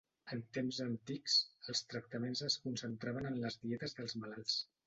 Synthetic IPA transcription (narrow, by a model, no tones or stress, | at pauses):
ənt̪emzənt̪iksəlˠst̪ɾək̚t̪əmenzəskunsənt̪ɾaβənənləzðiɛt̪əzðəlˠzβəlalˠs